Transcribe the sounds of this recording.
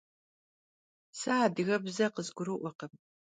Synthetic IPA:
sɨaːdɨɣɐbzɐqəzɡʷʊɾɨʔʷɔqəm

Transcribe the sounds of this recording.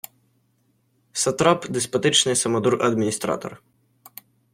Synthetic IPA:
sɐt̪ɾapd̪ɪspɐt̪ɪt͡ʃnɪjsɐmɔd̪uɾʔɐd̪mʲinʲist̪ɾa̰t̪ɔ̰r

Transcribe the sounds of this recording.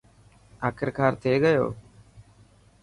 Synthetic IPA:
aːkʰəɾkʰaːɾt̪ʰeːɡəjo̰ː

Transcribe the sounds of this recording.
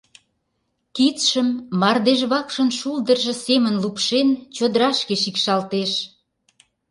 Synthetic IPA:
kit͡sʃəmːɑrd̪eʒβɑkʃə̆nʃuld̪ərʒə̆semənlupʃent͡ɕod̪əɾɑʃkeʃikʃɑlt̪eʃ

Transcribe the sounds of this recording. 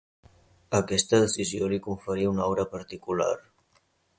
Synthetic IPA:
əkɛst̪əðəsiziolikuɱfəɾiunɔwɾəpəɾt̪ikula̰ɾ

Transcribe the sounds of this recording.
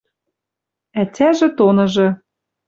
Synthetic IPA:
ætʲæʒĕt̪onɤ̆ʒɤ̆

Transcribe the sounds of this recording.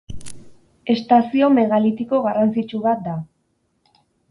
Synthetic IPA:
e̞st̪asio̞me̞ɣalit̪iko̞ɣarant͡sit͡ʃuβat̪̚d̪a

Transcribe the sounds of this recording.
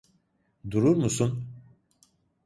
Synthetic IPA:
d̪uɾuɾmusun

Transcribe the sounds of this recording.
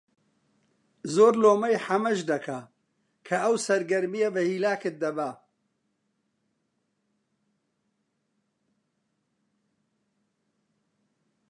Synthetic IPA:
zoːɾloːmɐjħɐmɐʒd̪ɐkʰa | kʰɐʔɐwsɐɾɡɐɾmijɐbɐhiːlaːkɨt̪̚d̪ɐba

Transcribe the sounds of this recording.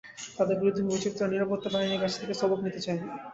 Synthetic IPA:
t̪ad̪eɾbiɾud̪ʱːimoit͡ɕit̪ːɾaniɾapot̪ːabaɦiniɾkat͡ɕʰt̪ʰekesɔboknit̪et͡ɕae

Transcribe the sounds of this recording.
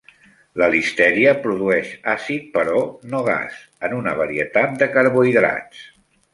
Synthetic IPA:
ləlist̪ɛɾiəpɾuðuɛʃasit̪̚pəɾɔnoɣ̞a̰s | ənunəβ̞əɾiət̪at̪̚d̪əkəɾβuiðɾa̰t͡s

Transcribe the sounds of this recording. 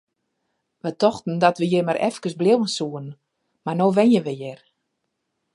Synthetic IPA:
ʋətɔxtn̩dɔtʋəjemaɾʔɛ̰fkəsblɪwənsuən̩ | marnoːʋɛnjəʋəjɪr

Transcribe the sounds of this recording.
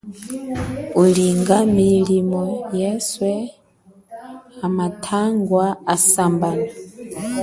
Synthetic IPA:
uliŋɡamilimɔjɛswɛ | amatʰaŋɡwaasambana

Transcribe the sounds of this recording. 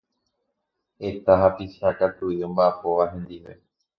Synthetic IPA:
e̞t̪aɦapisakat̪uiõmbaʔːpo̞ʋaɦẽ̞nd̪iʋe̞̰

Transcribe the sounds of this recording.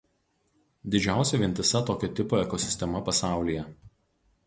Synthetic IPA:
d̪ʲɪd͡ʒʲæˑʊsʲɛʋʲɪnʲt̪ʲɪsɐt̪oːkʲɛt̪ʲɪpoːɛkɔsʲɪ̥sʲt̪ʲɛmɐpɐsɑˑʊlʲiːjɛ

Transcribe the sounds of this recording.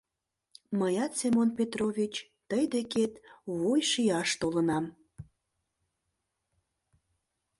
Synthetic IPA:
məjɑt̪semonpʲet̪rovʲit͡ɕ | t̪əjd̪eket̪βujʃiɑʃt̪olənɑm

